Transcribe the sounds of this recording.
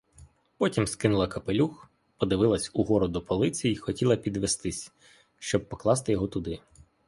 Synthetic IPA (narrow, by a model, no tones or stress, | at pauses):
pɔtʲimskɪnʊlˠɐkɐpelʲux | pɔd̪ɪʋɪlˠɐsʲuɦɔɾɔd̪ɔpɔlˠɪt͡sʲijixɔtʲilˠɐpʲid̪ʋest̪ɪsʲ | ʃt͡ʃɔb̚pɔklˠɑst̪ɪjɔɦɔt̪ʊd̪ɪ